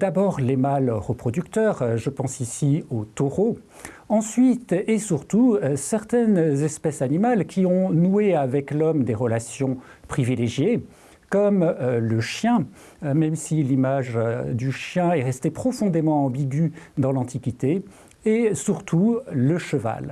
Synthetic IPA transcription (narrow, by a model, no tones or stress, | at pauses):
d̪̥abɔʁlemalʁəpχɔd̪ykt̪œʁʒəpɑ̃sisiot̪ɔʁo | ɑ̃sɥit̪esyʁt̪usɛʁt̪ɛnzɛspɛsanimalkʲiɔ̃nueavɛklɔmd̪eʁəlasjɔ̃pχivileʒje | kɔmləʃjɛ̃ | mɛmsilimaʒd̪yʃjɛ̃ɛʁɛst̪epχɔfɔ̃d̪emɑ̃ɑ̃biɡʲyd̪ɑ̃lɑ̃t̪ikʲit̪eː | syʁt̪ʰuləʃəva̰l